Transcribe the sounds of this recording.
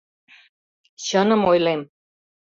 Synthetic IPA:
ɕənəmojlem

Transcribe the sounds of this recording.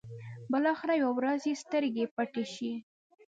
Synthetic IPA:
bəlɑxɪɾajwawɾazjest̪əɾɡepaʈeʃi

